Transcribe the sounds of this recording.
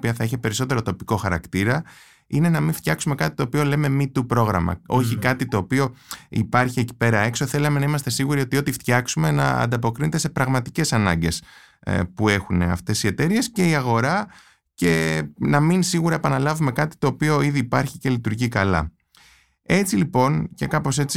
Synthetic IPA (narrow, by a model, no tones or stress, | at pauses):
piɐθɐiçepe̞ɾiso̞t̪e̞ɾot̪o̞piko̞xɐɾɐkt̪iɾɐ | ine̞nɐminft̪çɐksume̞kɐt̪i̥t̪o̞ːpio̞le̞me̞mit̪upɾo̞ɣɾɐ̰mɐ̰o̞çikɐt̪it̪o̞ːpio̞ḭpɐɾçie̞ci̥pe̞ɾɐe̞kso̞θe̞lɐme̞nɐimɐst̪e̞siɣuɾio̞t̪io̞t̪ift̪çɐksume̞nɐ̰ɐ̰nd̪ɐpo̞kɾinet̪e̞se̞pɾɐɣmɐt̪i̥ce̞sɐnɐ̰ɲɟe̞s | pue̞xune̞ɐ̰ft̪e̞sie̞t̪e̞ɾie̞sce̞iɐɣo̞ɾɐ | ce̞nɐminsiɣuɾɐepɐnɐlɐvume̞kɐt̪i̥t̪o̞ːpio̞iðiːpɐɾçice̞lit̪uɾʝikɐlɐ̰ | e̞t͡silipo̞nce̞kɐpo̞se̞t͡si